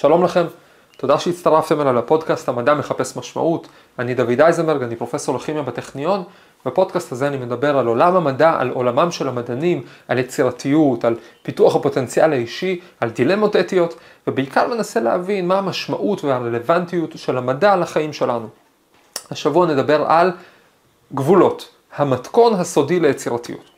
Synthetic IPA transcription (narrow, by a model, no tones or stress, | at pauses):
ʃalo̞mlaχe̞m | t̪o̞daʃeitt͡st̪aʁaft̪e̞malavapo̞dkasthamadame̞χape̞smaʃma̰ʔut | anid̪avidajzenbeʁɡanipʁo̞fe̞so̞ʁlaχimjabateχnijo̞n | bapo̞d̥̪kastazeanime̞d̪abe̞ʁalo̞lamamadaʔa̰lo̞lamamʃe̞lamadanimalet͡siʁatʰijutalpituaχhapo̞te̞nt͡sialaiʃi | aldilemo̞tetijo̞t | vebeikaʁme̞nase̞leavinmaamaʃma̰ʔutvehaʁele̞vantijutʃe̞lhamadalaχaimʃe̞lanu | haʃavuanedabe̞ʁal | ɡvulo̞t | hamatko̞nɦaso̞dilejet͡siʁatḭjṵt